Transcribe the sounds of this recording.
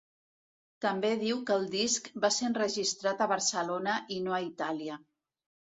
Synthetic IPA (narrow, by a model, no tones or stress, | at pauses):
t̪əmbeðiwkəlˠd̪iskbasenrəʒist̪ɾat̪əβəɾsəlonəʔinoəit̪aliə